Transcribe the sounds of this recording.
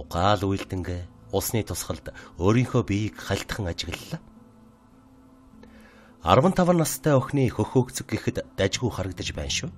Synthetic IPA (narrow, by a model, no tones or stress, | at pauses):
ʊɢaːɮuj̆ɮt̪ɘ̆ŋɡeːʊɮsniːt̪ʰʊsχə̆ɮt̪oːɾiːŋxoːpijkχaɬʲt̪ə̆χə̆ŋat͡ɕɪ̆ɣ̆ɮːă | a̰rwə̆nt̪ʰawə̆rnːast̪ʰːæːɵxniːxɵxɵːkt͡sɘ̆k̚ɡexɘ̆t̪ːæt͡ɕɣujχaɾə̆k̚t̪ə̆t͡ɕpæ̰ːnʃuː